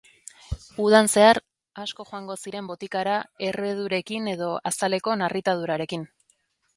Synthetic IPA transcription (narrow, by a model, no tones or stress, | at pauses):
uðanse̞aɾ | asko̞ʝoaŋɡo̞siɾe̞mbo̞t̪ikaɾae̞re̞ð̞uɾe̞kine̞ðo̞asale̞ko̞narit̪aðuɾaɾe̞kin